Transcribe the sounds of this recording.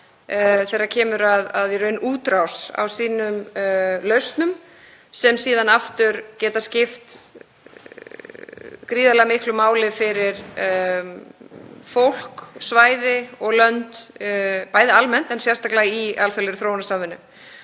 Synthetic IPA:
θɛjɾaɾcʰɛːmʏɾaðaðjɛɾʏnːʔuːt̪ɾawsa̰wsiːnʏmlœɥst̪nʏm | sɛmsiːðanaft̪ʏɾcɛːt̪ascɪft̪ | kɾiːðalɛɣamɪhklʏmaːwlɪfɪɾɪɾ | fowl̥ksvaːjðɪɔɣlœnt̪ | paːjðɪalmɛn̥t̪ɛnsjɛr̥st̪aklaɣialfɛlɪɾʏθɾoːwnasaːmvɪnːʏ̰m

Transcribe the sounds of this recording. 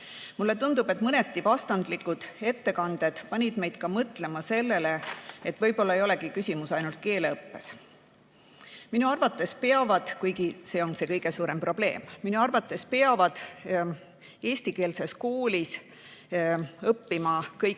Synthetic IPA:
mulːe̞t̪und̪̥ub̥e̞t̪ˑmɤne̞t̪ːivɑst̪ɑnd̪likud̪̥e̞t̪ːe̞kɑnd̪̥e̞d̪̥pɑnʲid̪̥me̞jd̪̥kɑmɤt̪ˑle̞mɑse̞lːe̞le̞et̪ːˑvɤ̞jbo̞lːɑejo̞le̞kikysʲimusɑjnult̪̚ke̞ːleɤpːe̞s | minuɑrvɑt̪ːˑe̞spe̞ɑvɑd̪̥kujɡise̞ːo̞nse̞kɤjɡ̥e̞suːɾe̞mpro̞b̥le̞̰ːmːinuɑrvɑt̪ˑːe̞spe̞ɑvɑd̪̥ | e̞ːsʲt̪ike̞ːlse̞skoːlis | ɤpːimɑkɤjk

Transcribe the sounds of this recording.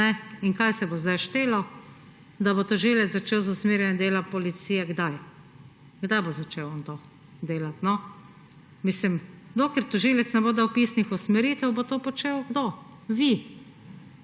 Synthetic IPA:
ɛiŋkajsɛbozd̪ajʃt̪eːlɔ | d̪abot̪ɔʒilɛt̪zzat͡ʃewzʊsmeːɾjɛnɛd̪eːlapɔlit̪siːjɛɡd̪aj | ɡd̪ajbozat͡ʃewont̪o | d̪eːlat̪nɔ | mislimd̪okɛɾt̪ɔʒilɛt̪snɛboːd̪awpiːsnixusmɛɾiːt̪ɛwbot̪oːpɔt͡ʃeːwɡd̪o | ʋi

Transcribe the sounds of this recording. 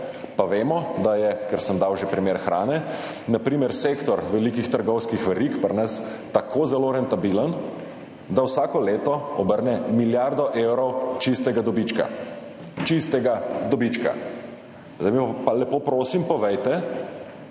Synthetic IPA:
paʋeːmɔd̪ajɛkɛɾsəmd̪awʒepɾimeːɾxɾʔaːnɛ | napɾiːmɛɾsekt̪ɔɾʋɛlikixt̪əɾɡɔwskixʋɛɾikpəɾnəs | t̪akozɛloɾɛnt̪abilən | d̪awsaːkɔleːt̪ɔɔbəɾnɛmiljaɾd̪ɔʔewɾɔwt͡ʃist̪ɛɡad̪ɔbit͡ʃka̰ | t͡ʃist̪ɛɡad̪ɔbit͡ʃka̰ | zamialɛpoːpɾoːsimpɔʋɛjt̪ɛ

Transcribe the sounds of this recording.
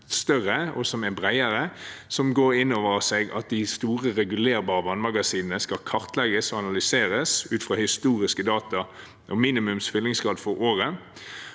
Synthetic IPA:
st̪œʁəɔsɔmɛnbʁæɪəɾəsɔmɡoːɾɪnːoːʋəʁseːɡɑ̰t̪̚d̪ɪst̪uːʁəʁɛɡʉleːɾbɑːʁəʋɑːnmɑɡɑsiːnənəskɑkʰɑʁt̪lɛɡəsɔɑnɑlʏseːɾəsʉːt̪fʁɑːhɪst̪uːʁɪskəd̪ɑːt̪ɑ | ʔɔmiːnɪmʉmsfʏlːɪŋsɡʁɑːd̪fɔʁoːʁə

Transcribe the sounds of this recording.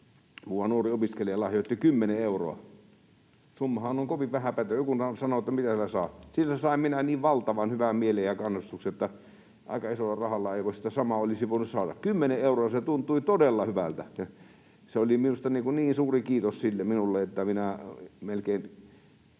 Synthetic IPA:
muːʋɑnuoriopiskeliɑlɑhjot̪ːikymːeneeuro̰ɑ̰ | sumːɑhɑnoŋkoʋiʋʋæhæpæt̪øjkunɑsɑnoet̪ːæmit̪æsilæsɑːsilːsesɑˑimminæniːʋʋɑlt̪ɑʋɑnhyʋæmmielejjɑkɑnːust̪uksiot̪ːæ | ʔɑ̰ˑikɑisolːɑrɑhɑlːɑeˑiʋoˑisi̥t̪æsɑmɑolisiʋoˑinussɑːdɑ̰kkymːeneeˑuroɑset̪unt̪ˑuit̪odelːɑhyʋæ̰lt̪æjɑ | seoliminust̪ɑniːkunniːnsuːrikiːt̪ossilːeminulːeet̪ːæminæmelkein

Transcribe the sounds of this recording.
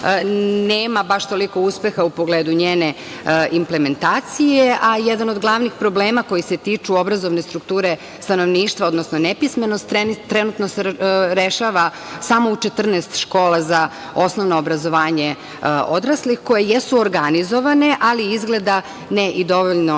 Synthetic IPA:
neːmabaʃt̪o̞liko̞uspe̞xaupo̞ɡleːd̪uɲeːne̞ | impleme̞nt̪aːt̪sijeʔajɛd̪anod̪ɡlˠaʋnixpɾo̞bleːmako̞jise̞t̪iːt͡ʂuo̞bɾazo̞ʋne̞st̪ɾuk̚t̪uːɾe̞ | st̪ano̞ʋniːʃt̪ʋao̞d̪nosno̞nepismenost̪ːɾenːɾenut̪noseɾeʃaʋa | samout͡ʃet̪r̩neːst̪ʃko̞ːlaza | o̞sno̞ʋnoːbɾazo̞ʋaːɲe | od̪ɾaslixko̞jejesuoɾɡanizo̞ʋane̞ʔaliizɡled̪a | neʔid̪o̞ʋoʎno

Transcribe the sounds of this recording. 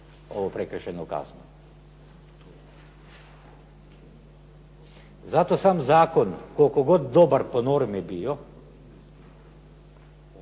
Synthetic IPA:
ɔːʋɔpɾɛkəɾʃɛnɔka̰ːznɔ | zat̪osamzaːkɔnkokɔɡot̪̚d̪oːbəɾpɔnoːɾmibijɔ

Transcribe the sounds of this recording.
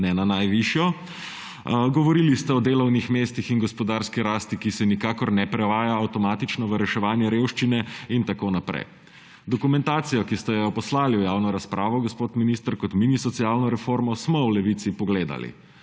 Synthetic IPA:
nɛnanajʋiʃjɔ | ɡɔʋɔɾilist̪ɛɔd̪eːlɔwnixmeːst̪ixinɡɔspɔd̪aːɾskiɾaːst̪ikisɛnikaːkɔɾnɛpɾɛʋaːjaːwt̪ɔmaːt̪it͡ʃnɔʋəɾɛʃɛʋaːnjɛɾewʃt͡ʃinɛint̪akoːnapɾɛ̰j | d̪ɔkumɛ̃nt̪aːt̪sijɔkist̪ɛjɛɔpɔslaːliwjaːwnɔɾaspɾʔaːʋɔɡɔspot̪minist̪əɾkɔt̪minisɔt̪sijalnɔɾɛfoɾmɔsmɔwlɛʋit̪sipɔɡleːd̪a̰lḭ

